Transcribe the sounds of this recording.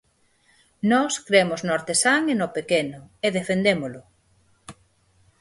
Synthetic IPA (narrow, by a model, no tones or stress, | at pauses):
nɔskɾemoznoaɾt̪esaŋenopekenʊeðefend̪emolʊ